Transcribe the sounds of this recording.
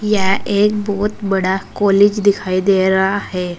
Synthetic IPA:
jaʔek̚bot̪bəɽakɔlid͡ʑd̪ikʰajd̪eɾaːɦe

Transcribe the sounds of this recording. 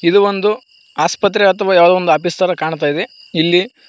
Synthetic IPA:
id̪uʋond̪u | aːspɐt̪̬ːɾeɐt̪ʰɐʋaːjaːʋɐd̪oʋond̪uɐp̬ist̪aːɾɐkaːɳt̪̬aːjid̪e | ilːi

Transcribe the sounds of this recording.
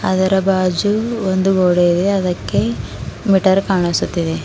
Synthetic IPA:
ɐ̰d̪ɐɾɐbaːd͡ʒuond̪uɡoːɽeid̪eɐd̪ɐkːe̞ | miʈɐɾkaːɳisut̪ːid̪e

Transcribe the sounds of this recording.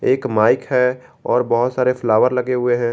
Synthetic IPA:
eːkmaːɪkɦɛ | ɔːɾbɐɦʊt̪saːɾefʰlaːʋəɾlɐɡeɦʊeɦɛ̃ː

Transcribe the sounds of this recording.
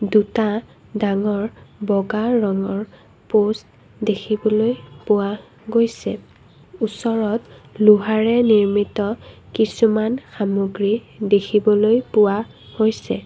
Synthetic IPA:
duta | daŋɔɹbɔɡaɹɔŋɔɹ | post | dekʰibɔlojpʊwa | ɡojsɛ | usɔɹɔtluɦaɹɛniɹmitɔkisumanxamoɡɹidekʰibɔlojpʊwa | hojsɛ

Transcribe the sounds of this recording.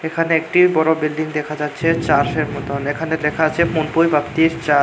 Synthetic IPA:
ekʰaneek̚ʈibɔɾobilɖiŋd̪ɛkʰad͡ʑatːɕʰet͡ɕaɾʃeɾmɔt̪onekʰanelekʰat͡ɕʰepunpojbat̪iɾt͡ɕa

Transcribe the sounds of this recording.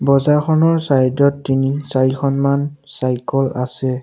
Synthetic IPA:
bɔzaxʰɔnɔɹsajdɔtːinisaɹixʰɔnmansajkɔlasɛ

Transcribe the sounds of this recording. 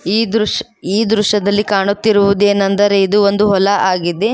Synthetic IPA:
iːd̪ɾuʃ | iːd̪ɾuʂɐd̪ɐlːikaːɳut̪ːiɾuʋud̪ue̞ːnːɐnd̪ɐɾeid̪uond̪uɦɔlɐʔaːɡid̪e

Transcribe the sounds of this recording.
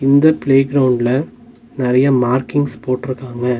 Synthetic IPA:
ɪnd̪ɐpleːɡɾɐwʊɳɖlɐ | nɪɾɐjɐmaːɾkɪŋɡspoːʈːɪɾɯkːaːŋɡɐ

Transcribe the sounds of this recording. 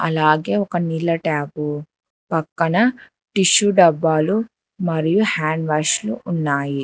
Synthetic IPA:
ɐ̰laːɡeːɔkɐnilːɐʈaːpu | pɐkːɐnɐ | ʈiʃuɖɐbːaːlu | mɐɾijuhaːɳɖʋaːʃluːnːaːji

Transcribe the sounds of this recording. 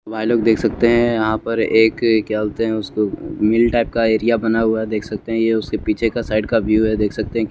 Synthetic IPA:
baːɪloːɡ̚d̪eːkʰsɐk̚t̪eɦɛ̃jɐɦãpɐɾeːkkɛːlt̪eɦɛ̃ʊskomɪlʈaːɪp̚kaeːɾijabɐnaɦʊaɛd̪eːkʰsɐk̚t̪eɦɛ̃jeʊskepiːt͡ʃʰekasaːɪɖkaʋjuːɦɛd̪eːkʰsɐk̚t̪eɦɛ̃k

